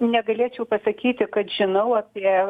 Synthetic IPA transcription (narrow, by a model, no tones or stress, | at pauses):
nʲɛɡɐlʲeɛt͡ʃʲɛʊpɐsɐkʲiːt̪ʲɪkɐt̪ʒ̥ʲɪnɐʊɐpʲiɛ